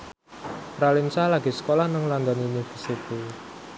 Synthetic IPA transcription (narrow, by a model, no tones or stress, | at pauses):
pɾalinsalaɡ̥i̤sə̥kolahnəŋland̪ɔniunifərsit̪i